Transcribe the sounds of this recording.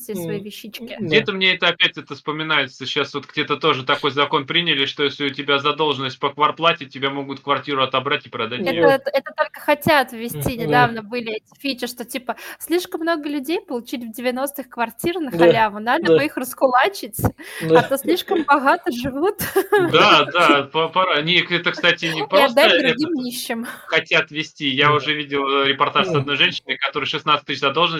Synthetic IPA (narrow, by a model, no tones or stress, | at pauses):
sʲesvɐivʲɪɕːit͡ɕkʲɪɡdʲe̞t̪əmnʲeɛt̪əɐpʲætʲɛt̪əspəmʲɪnajɪt̪səɕːasvo̞t̪ɡ̥dʲe̞t̪ət̪o̞ʐɨt̪ɐko̞jzɐko̞npɾʲinʲɪlʲɪʂt̪ojesʲlʲɪʊtʲɪbʲazɐd̪o̞lˠʐɨnəsʲt̚ʲpəkvɐrplˠatʲɪtʲːɪbʲamo̞ɡʊt̪kvɐrtʲiɾʊɐt̪ɐbɾatʲɪpɾɐd̪atʲɛəɛt̪ət̪o̞lʲkəxɐtʲat̪vʲvʲɪsʲtʲinʲɪd̪avnəbɨlʲɪɛtʲɪ̥fʲit͡ɕɪʂt̪otʲipəsʲlʲiʂkəmːno̞ɡəlʲʉdʲejpəlˠʊt͡ɕilʲvdʲɪvʲɪno̞st̪ɨxkvɐrtʲirnəxɐlʲavənad̪əbɨixrəskʊlˠat͡ɕɪtʲat̪osʲlʲiʂkəmbɐɣat̪əʐɨvut̪d̪ad̪apɐpɐɾanʲekɛt̪əkst̪atʲɪnʲɪpɾsd̪ad̪ɾʊɡʲimnʲiɕːɪmxɐtʲat̪vʲɪsʲtʲijaʊʐɛvʲidʲɪlˠɾʲɪpɐrt̪aʂsɐd̪no̞jʐɛnʲɕɪnəjkɐt̪o̞ɾɨjʂɨsnat̪sɨ̥t̪ʲɨɕzɐd̪o̞lˠʐnə